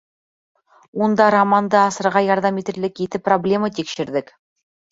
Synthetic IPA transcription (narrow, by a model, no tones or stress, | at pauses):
wond̪ɑɾamand̪ɤɑsɤ̆ɾʁɑjɑɾðɑmit̪ɘ̆ɾlɘket̪ɘpːroblʲe̞mɑt̪ekʃɘ̆ɾd̪ɘk